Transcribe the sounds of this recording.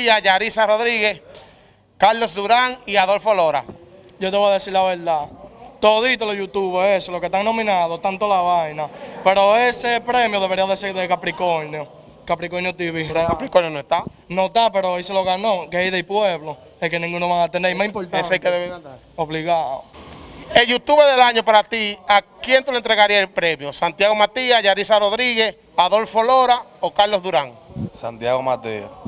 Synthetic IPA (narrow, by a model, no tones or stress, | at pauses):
iaʝaɾisaroðɾiɣes | kaɾlo̞sðuɾaŋiaðolfoloɾa̰ | ʝot̪eβoaðesiɾlaβeld̪at̪oðit̪oloʝut̪uβehesolokeht̪aŋno̞mĩnaðot̪ant̪olaβajnape̞ɾo̞esepɾemjoðeβe̞ɾiaðeseðekapɾikoneo | kapɾikonjot̪iβiɦɾakapɾikonjonoeht̪a | not̪apeɾoeseloɣanokejðejpweβlo | ekenĩŋɡunoβaŋat̪eneimasĩmpoesekeðeβe | oβliɣao̰ | eʝut̪uβeðelaɲopaɾat̪iakjent̪eloent̪ɾeɣaɾiaelpɾemjosant̪jaɣomat̪iaʝaɾisaroðɾiɣes | aðo̞lfoloɾaokaɾlo̞zðuɾaŋsa̰nt̪jaɣomat̪ia̰